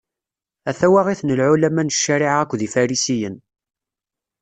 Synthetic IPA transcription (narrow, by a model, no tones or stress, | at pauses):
æθæwaʁiθnəlʕulæmænəʃːæɾɪʕækʷːðifæɾisijən